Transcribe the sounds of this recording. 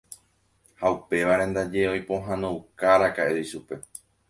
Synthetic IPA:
haupe̞ʋaɾẽ̞nd̪ad͡ʒe̞ojpõ̞ɦãnõwkaɾakaʔeiʃupe̞

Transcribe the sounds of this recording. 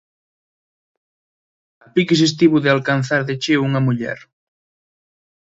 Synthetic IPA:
apikes̬es̬t̪iβuðealkanθaɾðet͡ʃeuŋɐmuʎɛ̰ɾ

